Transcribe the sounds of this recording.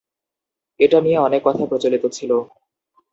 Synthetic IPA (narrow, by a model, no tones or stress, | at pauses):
eʈanijeɔnekːɔt̪ʰapɾot͡ɕolit̪ot͡ɕʰilo